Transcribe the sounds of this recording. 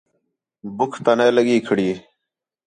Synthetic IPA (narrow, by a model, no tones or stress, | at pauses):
bʊkʰt̪aneːləɡiːkʰɪɽi